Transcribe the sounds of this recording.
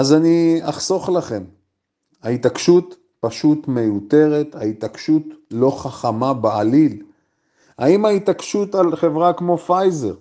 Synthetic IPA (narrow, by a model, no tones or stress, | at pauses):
azaniaχso̞χlaχe̞m | hait̪akʃut̪ | paʃut̪me̞jute̞ʁet̪hait̪akʃut̪lo̞χaχamabealil | ha̰imait̪akʃut̪alχe̞vʁakmo̞fajze̞̰ʁ